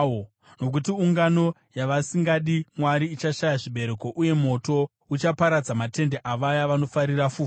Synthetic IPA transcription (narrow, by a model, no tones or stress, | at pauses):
no̞k̬utiuŋɡano̞ | jaʋasiŋɡaɗimwaɾiːt͡ʃaʃajaʐiɓe̞ɾe̞ko̞ʔuje̞mo̞to̞ | ut͡ʃapaɾad͡zamate̞nde̞ʔaʋajaʋano̞faɾirafuː